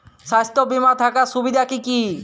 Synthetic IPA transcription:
ʃast̪obimat̪ʰakaʃubid̪ʱakiki

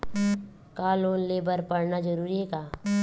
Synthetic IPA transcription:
kaːloːnleːbəɾpəɽnad͡ʒɐɾuːɾiɦekaː

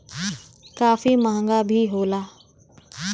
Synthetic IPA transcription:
kaːfimãːŋɡabʱiɦoːlaː

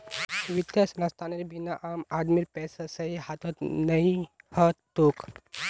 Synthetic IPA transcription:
ʋit̪jasnɐst̪ʰaneɾbinaʔamad̪miɾpɛsasəihat̪ɔt̪nəihət̪ok

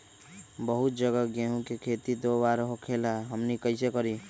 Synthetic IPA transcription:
bəɦut̪̚d͡ʒəɡəɡeɦũkekʰet̪id̪obaɾɦokʰelaɦəmnikəɪsekəɾi

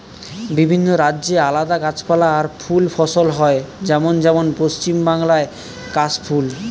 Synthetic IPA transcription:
bibʱinːoɾadːd͡ʑealad̪akat͡ɕpalaːɾfulfʰɔsolɦɔed͡ʑɛmond͡ʑɛmonpost͡ɕimbaŋlae | kaspʰul

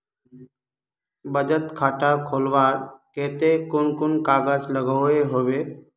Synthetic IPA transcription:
bəd͡ʒət̪kʰaːʈakʰoːlʋaːɾkeːt̪ekʊnkʊnkaːɡəd͡ʒləɡəeɦoːʋeː

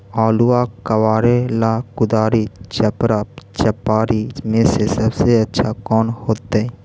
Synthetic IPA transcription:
aːluakəwaːɾelakʊd̪aːɾit͡ʃɐpɾat͡ʃɐpaːɾimẽsesɐbseɐtːʃʰakɔːnhoːt̪eɛ

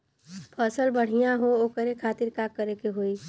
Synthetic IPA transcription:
pʰəsəlbəɽ̤ijãɦooːkəɾekʰaːt̪iɾkakːəɾekeɦoi

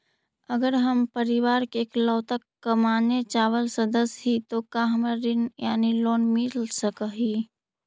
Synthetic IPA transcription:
əɡəɾɦəmpəɾiʋaɾkeːklɔːt̪əkːəmaːnet͡ʃaːʋəlsəd̪əsɦit̪okãɦəmaɾinjaːniloːnmilsəkəɦi

